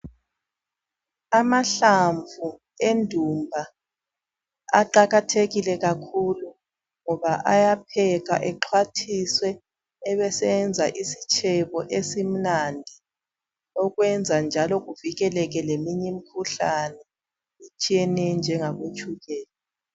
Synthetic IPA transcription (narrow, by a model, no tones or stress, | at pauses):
amaɬaɱvʱu | endʱumbʱa | a̰ǃaɣatʰeɣilɛɣakʰulu | ŋɔβaʔajapʰɛɣa̰ʔɛǃʰwatʰiswɛː | βɛsɛnd͡zʱaʔisit͡ʃʼʰɛβɔʔesim̩nandʱi | ɔɣwɛnd͡zʱand͡ʒʱalɔɣuviɣɛlɛɣ̬ɛlemiɲɛmikʰuɬanɛ | it͡ʃʼijɛnɛnd͡ʒʱɛŋaɣot͡ʃʰʼuɣɛːla